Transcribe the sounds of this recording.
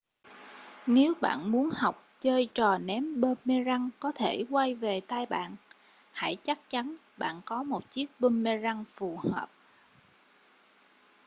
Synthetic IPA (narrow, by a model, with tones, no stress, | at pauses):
ne˨˦wɓa̰ː˧˨nmu˨˦ənha˨˩wk͡p̚t͡ɕəː˧jt͡ɕɔ˨˩nɛ˨˦mɓəː˧nme˧za˧ŋkɔ˨˦t̪ʰe˧˩kwa˧jve˨˩t̪aː˧jɓa̰ː˧˨n | ha̰˧˩jt͡ɕa˦˥k̚t͡ɕa˨˦nɓa̰ː˧˨nkɔ˨˦mo˨˩t̚t͡ɕi˦˥ək̚ɓə˧nme˧za˧ŋfu˨˩həː˨˩p̚